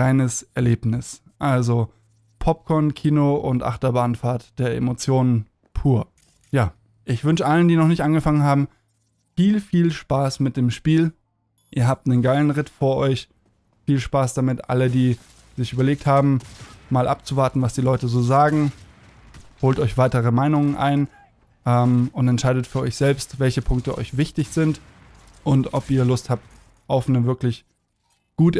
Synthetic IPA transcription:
ʁaɪnəsʔɛɐleːpnɪs | ʔalzo | pʰɔp̚kʰɔɐnkʰiːnoʊntʔa̰χtɐbaːnfaːɐtd̥eːɐʔḛmot͡sjoːnən | pʰuːɐ | jaː | ʔɪçv̥ʏnʃəʔaləndiːnɔχnɪçtʔanɡəfaŋənɦaːbm̩ | fiːlfiːlʃpaːsmɪt̚d̥eːmʃpiːl | ʔḭːɐɦaːp̚tnənɡaɪlən̩ʁɪtfoːɐʔɔʏç | fiːlʃpaːsd̥amɪtʔa̰lədiː | zɪçyːbɐleːk̚thaːbm̩maːlʔa̰p̚t͡suvaɐtn̩vasd̥iːlɔʏtəzoːzaːɡŋ̩ | hoːltɔʏçv̥aɪtəʁəmaɪnʊŋənʔa̰ɪn | ʔɛːmʊntɛntʃaɪdətfyːɐʔɔ̰ʏçz̥ɛlpstvɛlçəpʰʊŋk̚təʔɔ̰ʏçv̥ɪçtɪçz̥ɪnt | ʔʊntʔɔpiːɐlʊsthap̚t | ʔɔʊfnəvɪɐklɪç | ɡ̥uːt

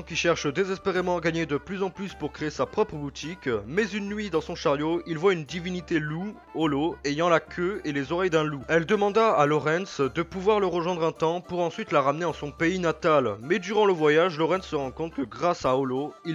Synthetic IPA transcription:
kʲiʃɛʁʃd̪ezɛspeʁemɑ̃aɡaɲed̪əplyzɑ̃plyspuʁkχeesapχɔpχəbut̪ikmɛzynːɥid̪ɑ̃sɔ̃ʃaʁjoilvwaynd̪ivinit̪elu | ɔloejɑ̃lakʲʰøelezɔʁɛjd̪ɛ̃luɛld̪əmɑ̃d̪aːlɔʁɛ̃nsd̪əpuvwaʁləʁəʒwɛ̃d̪ʁɛ̃t̪ɑ̃puʁɑ̃sɥit̪laʁamneɑ̃sɔ̃peinat̪almɛd̪yʁɑ̃ləvwajaʒlɔʁɛ̃nsːəʁɑ̃kɔ̃t̪χkəɡʁasaɔloil

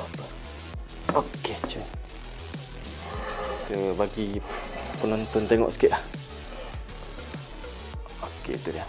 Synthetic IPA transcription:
okːet͡ʃu | t̪ɨbaɡipunont̪ont̪eŋo̰ʔsi̥keʔa | okḛt̪uɾia

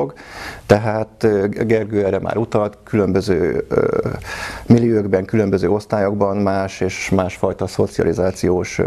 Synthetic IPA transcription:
oɡt̪ɛɦaːt̪ɡɛrɡøːɛrːɛmʔa̰ːɾut̪ɒlt̪kʰylø̞mbøzø̰ː | milːiøɡbɛŋkylø̞mbøzøːo̞st̪aːjoɡbɒnmaːʃeːʃmaːʃfɒjt̪ɒso̞̰t̪siɒ̰lizaːt̪sijoːʃ

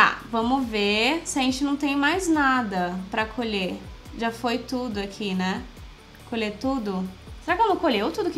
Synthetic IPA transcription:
t̪a̰vɐ̃mʊvesɪɐʒẽnt͡ʃɪnɐ̃w̃t̪ẽj̃majznad̪ɐpɾɐkʰoʎeʒafojt̪ud̪ʊakʰinɛ | kʰolet̪ud̪ʊ | seɾakɪõmokoʎewt̪ud̪ʊkɪ

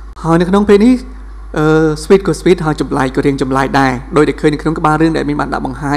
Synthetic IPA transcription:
haəjnɨwkʰnoŋpeːlnih | ʔəːswiːt̪̚kuəsʋiːt̪̚haəjt͡ɕɑmlaːk̚kɑːɾiəŋt͡ɕɑmlaːk̚ɗaɛɗoːc̚ɗɛːkʰəːɲnɨəwkʰnoŋkə̆ɓaːlrɨəŋɗaɛlmiənɓa̰ːnɗa̰ʔɓɑŋhaː

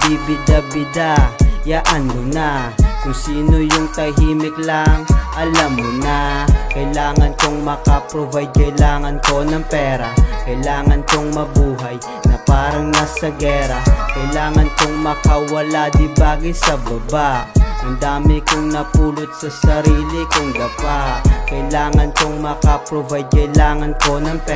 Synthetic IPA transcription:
d̪ibid̪ɐbɪd̪ajaʔɐnonakʊŋsiːnojʊŋt̪ɐjɦiːmɪklɐŋʔɐlɐmːʊnakɐjlaːŋɐnkoŋmɐkɐpɾovɐjkɐjlaːŋɐnko̞nɐŋpɛːɾakɐjlaːŋɐnkoŋmɐbuːɦaj | nɐpaːɾɐŋnɐsɐɡɛːɾɐkɐjlaːŋɐnkoŋmɐkɐwɐlad̪ɪbaːɡɪsɐbɐbaʔʔɐnd̪aːmɪkʊŋnɐpuːlʊt̪̚sɐsɐɾiːlɪkʊŋɡ̪ɐbakɐjlaːŋɐnkoŋmɐkɐpɾovajkɐjlaːŋɐnko̞nɐŋpɛ

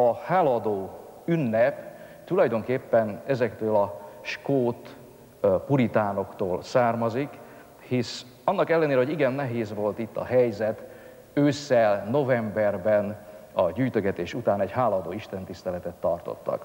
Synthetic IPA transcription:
ɒhaːlɒːd̪oː | ynːɛpt̪ulɒjd̪o̞ŋkeːpːɛnɛzɛkt̪øːlɒʃkoːt̪ | puɾit̪aːno̞kt̪oːlsaːrmɒzik | his | ɒnːɒkɛlːɛneːɾɛɦoiɡɛnːɛɦeːzʋo̞lt̪it̪ːɒ̰ɦɛjzɛt̪ | øːsɛlno̞vɛmbɛrbɛnɒɟyːjt̪øɡɛt̪eːʃut̪aːnɛɟhaːlɒːd̪oːiʃt̪ɛnt̪ist̪ɛlɛt̪ɛt̪ːɒrt̪o̰t̪ːɒ̰k

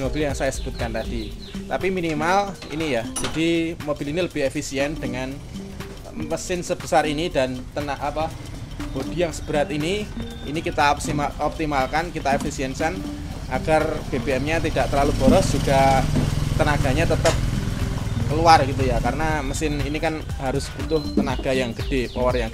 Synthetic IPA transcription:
mob̥ɪljaŋsajasə̥b̥ṳt̪̚kant̪ad̥i | t̪apiminimal | ḭnijad͡ʒ̥adimob̥iliniləb̥ɪɦefisiɛnd̥əŋan | məsɪnsəb̥əsaɾinidant̪ənaapa | b̥od̥i̤jaŋsə̥b̥əɾat̪ini | ḭnikit̪aɔp̚simaɔp̚t̪imalkankit̪aefisiɛnsan | ʔa̰ɡ̥arb̥eb̥eɛmɲat̪id̥aʔt̪ərlalub̥ɔ̤ɾɔsdd͡ʒ̥uɡ̥a | t̪ənaɡ̥a̤ɲat̪ət̪əp̚ | kəluarɡit̪ujakaɾənaməsɪninikan | haɾʊsb̥ut̪ʊht̪ənaɡ̥a̤jaŋɡ̥əd̥epɔwərjaŋ

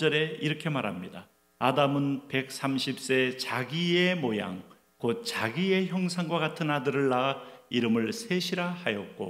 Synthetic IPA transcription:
d͡ʑʌɾe̞iɾʌkʰe̞maɾɦamɲida | adamɯnpe̞k̚s͈amɕʰip̚s͈e̞t͡ɕaɡiemoja̰ŋ | kot̚t͡ɕaɡie̞çjʌŋsʰaŋɡwaɡatʰɯnadɯɾɯɭːaiɾɯmɯɭsʰe̞ɕʰiɾahajʌt̚k͈o̰

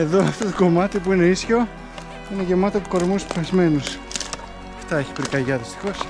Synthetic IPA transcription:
e̞ðo̞ɐft̪o̞t̪o̥ko̞mɐt̪ipuine̞isço̞ | ine̞ʝe̞mɐt̪opuko̞ɾmuspezme̞nus | ɐft̪ɐe̞çi̥pɾikɐʝɐðist̪i̥xo̞s

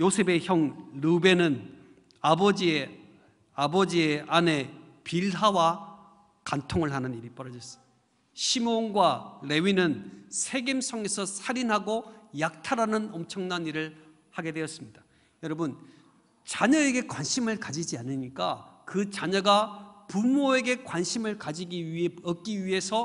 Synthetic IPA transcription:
josʰe̞be̞çjʌŋlube̞nɯn | abʌd͡ʑie | abʌd͡ʑieane̞ | piɭɦawa | kantʰoŋɯɭɦanɯniɾip͈ʌɾʌd͡ʑʌs͈ʌ̥ | ɕʰimonɡwale̞ɥinɯnsʰe̞ɡemsʰʌŋe̞sʰʌsʰaɾinɦaɡojak̚tʰaɾanɯnʌmt͡ɕʰʌŋnaniɾɯɭ | haɡe̞dwe̞ʌs͈ɯmɲid̥ḁ | jʌɾʌbɯn | t͡ɕaɲʌe̞ɡe̞kwanɕʰimɯɭkad͡ʑid͡ʑianɯɲik͈akɯt͡ɕaɲʌɡapumoe̞ɡe̞kwanɕʰimɯɭkad͡ʑiɡiiʌk͈iɥiɦe̞sʰʌ

